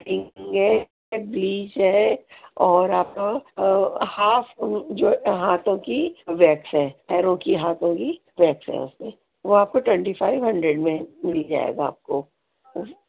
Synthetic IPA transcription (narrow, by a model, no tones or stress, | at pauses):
ʈɪ̃ɡɦɛ | bliːd͡ʒɦɛ | ɔːɾaːp̚ka | haːfd͡ʒoːɦaːt̪õkiʋɛːksɦɛ̃ːɛːɾõkiɦaːt̪õki | ʋɛːksɦɛ̰̃ʊ̰smẽ | ʋoaːp̚koʈwɛ̃ɳʈifaːɪʋɦɐ̃ɳɖɾeɖmẽmɪlid͡ʒa̰ːḛːɡaa̰ːp̚ko